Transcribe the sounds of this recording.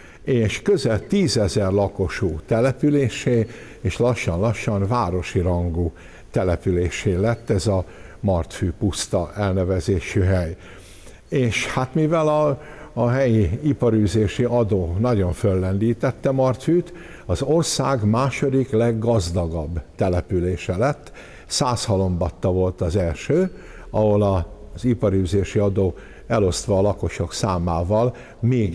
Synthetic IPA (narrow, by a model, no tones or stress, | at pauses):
eːʃkø̞zɛlt̪iːzɛzɛrlɒko̞ʃuːt̪ɛlɛpyleːʃeː | eːʃlɒʃːɒnlɒʃːɒnvaːɾo̞ʃiɾɒŋɡuː | t̪ɛlɛpyleːʃeːlɛt̪ːɛzɒ | mɒrt̪fyːpust̪ɒʔɛlnɛvɛzeːʃyɦɛj | eːʃhat̪mivɛlɒː | ɦɛjiipɒɾyːzeːʃiɒd̪oːnɒɟo̞ɱfølːɛnd̪iːt̪ɛt̪ːɛmɒrt̪yːt̪ | ɒzo̞rsaːɡmaːʃo̞d̪iklɛɡːɒzd̪ɒɡɒbːt̪ɛlɛpyleːʃɛlɛt̪ː | saːshɒlo̞mbɒt̪ːɒvo̞lt̪ɒzɛlʃøː | ɒɦo̞lɒzipɒɾyːzeːʃiɒd̪oː | ɛlo̞st̪ʋɒːlɒko̞ʃo̞ksaːmaːvɒl | meːɡ